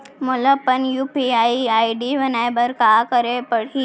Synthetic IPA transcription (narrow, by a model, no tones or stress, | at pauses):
mʊləpənjuːpiaːiaːiɖiʋɐnaːebəɾkaːkəɾepəɽ̤i